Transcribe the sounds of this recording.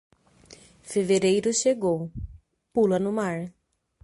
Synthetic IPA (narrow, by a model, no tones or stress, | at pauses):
feveɾejɾʊʃeɡow | pulɐnʊmaɾ